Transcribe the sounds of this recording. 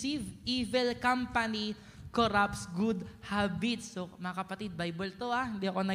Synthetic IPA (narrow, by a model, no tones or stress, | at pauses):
ivivɛlkampɐni | koɾapsɡud̪habit̪̚somɐŋɐkɐpɐt̪id̪̚bajbɛlt̪oaɪnd̪iʔɐkonɐ